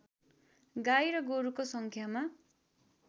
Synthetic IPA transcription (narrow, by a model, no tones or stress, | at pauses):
ɡajɾʌɡoɾukosʌŋkʰjama